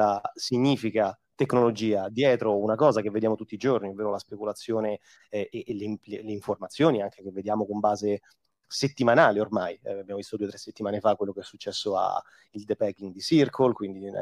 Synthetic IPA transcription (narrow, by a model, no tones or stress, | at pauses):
asiɲːiːfika | t̪eknolod͡ʒiːad̪jɛːt̪ɾounakɔːzak̟evːed̪jaːmot̪ut̪ːid͡ʒornioveːɾolaspekulat̪sːjoːne | ʔːleleleiɱformat̪sːjoːniaŋk̟ek̟evːed̪jaːmokombaːze | set̪ːimanaːleormajabjaːmovist̪od̪uːet̪ɾesːet̪ːimaːnefakːwelːokeɛsːut͡ʃːɛsːoa̰ | ild̪epɛkːiŋɡd̪isirkʰolkwind̪i